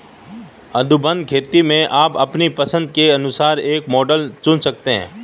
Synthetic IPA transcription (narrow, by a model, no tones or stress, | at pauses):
ɐd̪ubə̃nd̪̚kʰeːt̪imẽʔaːpɐpnipɐsə̃nd̪̚keɐnʊsaːɾeːkmɔːɖəlt͡ʃʊnsɐk̚t̪eɦɛ̰̃ː